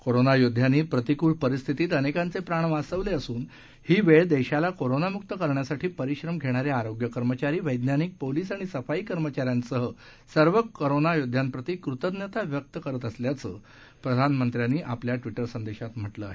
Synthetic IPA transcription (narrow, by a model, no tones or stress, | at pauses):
koɾonajod̪ʱːjaniːpɾət̪ikuːɭpəɾist̪ʰit̪iːt̪ənekãnt͡sepɾaɳ̃əʋasəʋleəsuːn | hiːʋeɭd̪eɕalakoɾonamuk̚t̪əkəɾɳjasaʈʰiːpəɾiɕɾəmɡʱeɽ̃aɾeaɾoɡjəkəɾmət͡ɕaɾiːʋəjd̪njanik̚poliːsaɽ̃isəfaiːkəɾmət͡ɕaɾjansəɦə | səɾʋəkːoɾonajod̪ʱːjampɾət̪ikɾut̪əd̪njət̪aʋjək̚t̪əkəɾət̪əsljat͡səː | pɾəd̪ʱanmənt̪ɾjanːiːʔapljaʈʋiʈəɾsənd̪eɕat̪m̤əʈləa̰ɦe